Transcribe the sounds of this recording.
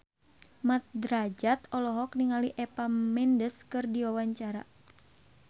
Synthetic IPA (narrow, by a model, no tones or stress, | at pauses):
mat̪̚dɾad͡ʒat̪ɔlɔɦɔk̚niŋaliʔɛpamɛndəskɨrdiwawaɲt͡ʃaɾa̰